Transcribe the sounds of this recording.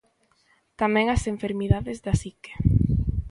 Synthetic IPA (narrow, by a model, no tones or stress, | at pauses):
t̪amɛ̃ŋaseɱfeɾmiðaðezðasike̥